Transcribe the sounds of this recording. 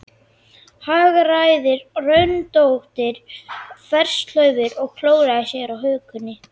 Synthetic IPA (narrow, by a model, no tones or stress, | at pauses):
haːɣaraːjðɪɾrœɥnt̪owht̪ɪɾ̥fɛr̥st̪l̥œɥvɪɾɔɣkʰloːwɾaðasjɛɾawɦœːkʏnːɪ